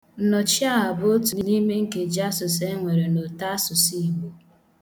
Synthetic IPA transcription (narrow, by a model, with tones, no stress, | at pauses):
n̩˨nɔ˨t͡ʃɪ˦a˦a˨bo˦tu˨ni˨ni˦me˦ŋ̩˦ke˨d͡ʒa˦sʊ˨se˦ŋʷe˨ɾe˨no˨ta˦sʊ˨si˦˨ɦe˨